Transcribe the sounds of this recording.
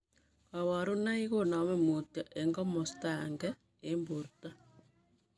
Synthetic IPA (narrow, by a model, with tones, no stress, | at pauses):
ka˨βa˨ɾu˦na˦i˦ɣona˨mɛ˦mo˨tja˨ʔe˨ŋɡɔ˦mɔ˨sta˨ŋɡɛ˦ | embo˨ɾuta